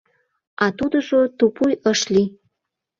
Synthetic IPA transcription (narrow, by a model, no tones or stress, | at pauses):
ɑt̪ud̪əʒot̪upujəʃli